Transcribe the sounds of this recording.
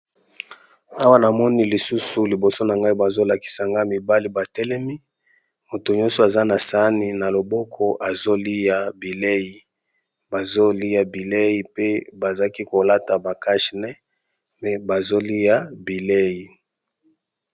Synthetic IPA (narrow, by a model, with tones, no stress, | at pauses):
a˦wa˦na˨mɔ˦ni˦li˨su˦su˦li˨bo˨so˦na˨ŋɡa˦i˦ba˨zo˦la˨ki̥˨sa˨ŋɡa˦mi˨ba˦li˨ba˨tɛ˦lɛ˦mi˦ | mo˨to˨ɲɔ˦nso˨a˨za˦na˨sa˨˦ni˨na˨lo˨bɔ˦kʰɔ˦ʔa˨zo˦li˦ja˨bi˨le˦ji˨ | ba˨zo˦li˦ja˨bi˨le˦ji˦pe˦ba˨za˦ki˦ko˨la˦ta˨ba˨ka˦ʃnɛ˦ | mɛ˦ba˨zo˦li˦ja˦bi˨le˦ji˨